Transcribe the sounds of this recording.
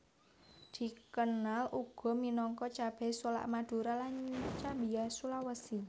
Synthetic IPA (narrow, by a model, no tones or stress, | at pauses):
d̪̥i̤kənalʔuɡ̥ɔ̤minɔŋkɔt͡ʃab̥ɛ̤sola̰ʔmad̪̥ṳɾalant͡ʃabijasulawəsi